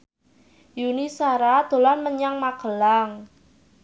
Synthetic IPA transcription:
junisaɾad̪̥o̤lanməɲaŋmaɡ̥ə̤laŋ

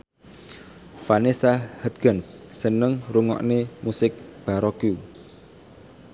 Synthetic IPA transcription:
fanisahət̪̚ɡənsːənəŋruŋɔ̰ʔnemusɪk̚b̥aɾɔku

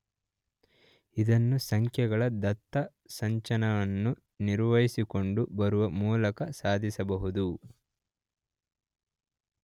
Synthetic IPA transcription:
id̪ɐnːusɐŋkʰjɐɡɐɭɐd̪ɐt̪ːɐ | sɐɲt͡ʃɐnɐʋɐnːu | niɾʋɐjisiko̞ɳɖubɐɾuʋɐmuːlɐkɐsaːd̪ʱisɐbɐɦud̪u

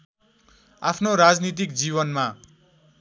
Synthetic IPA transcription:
apʰnoɾad͡znit̪̬ikd͡ziβʌnma

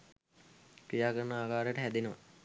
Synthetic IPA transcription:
kɾijaːkəɾənəaːkaːɾəjəʈəɦæd̪enəʋa̰

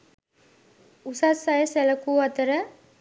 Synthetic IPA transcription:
usasajəsɛləkuːɐt̪əɾə

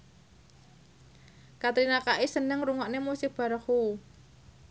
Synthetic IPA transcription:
kat̪ɾinakaʔisənəŋruŋɔʔnemusɪk̚b̥a̤ɾəhu

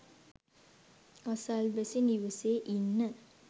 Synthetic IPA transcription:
asalʋæsiniʋəseːʔinːə

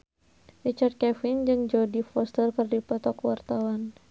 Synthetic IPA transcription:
rit͡ʃart̪̚kɛfind͡ʒɨŋd͡ʒɔdifɔst̪ərkɨrdipɔt̪ɔkwart̪awan

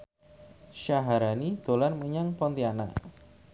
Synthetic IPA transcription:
ʃaɦaɾanid̪̥o̤lanməɲaŋpɔnt̪iana̰

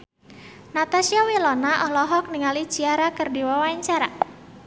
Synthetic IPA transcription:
nat̪asiawilɔnaʔɔɦlɔɦɔk̚niŋalit͡ʃiaɾakərdiwawaaɲt͡ʃaɾa

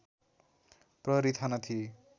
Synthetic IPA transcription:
prʌɾit̪ʰanʌt̪ʰie

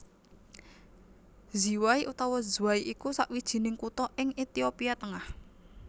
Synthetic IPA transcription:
zi̤waiʔut̪awɔzuwaiʔikusaʔwid̥ʒ̥i̤nɪŋkut̪ɔʔɪŋit̪iopiat̪əŋah

